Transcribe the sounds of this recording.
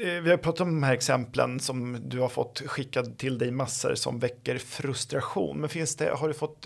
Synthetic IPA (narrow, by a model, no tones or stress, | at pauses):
vɪhajpʰɾɑːt̪at̪ɔmd̪ɔmhæːɾɛksɛmplə̰nsɔmd̪ɵhaɾfɔ̰t̪ːɧɪkːad̪t̪ʰːɪld̪ɛjmasːə̰ɾsɔ̰mvɛkːəɾfɾɵst̪ɾaɧṵːnmɛnfɪnsd̪ɛ̰ɦaɖɵfɔt̪ː